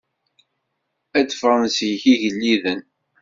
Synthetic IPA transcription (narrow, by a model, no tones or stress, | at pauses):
æt͡sːə̥fʁˤənsjçiʝəlːiðən